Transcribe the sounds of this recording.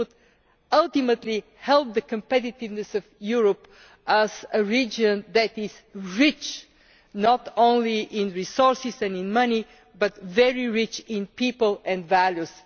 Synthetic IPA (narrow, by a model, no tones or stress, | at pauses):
ʊd̪ | ʌlˠt̪imət̪li | hɛlˠp̚d̪əkə̃mpɛt̪ɪt̪ɪvnɨsɔvjuɹəp | ʔəz̥əɹid͡ʒə̃nðɨt̪ɪz̥ | ɹɪt͡ʃ | nɔt̪õʊ̃nliʔɪ̃nɹisɔɹsɪsɛ̃nɪ̃nmʌni | bʌt̪vɛɹiɹɪt͡ʃɪ̃npipəlˠɛ̃ndvælˠjus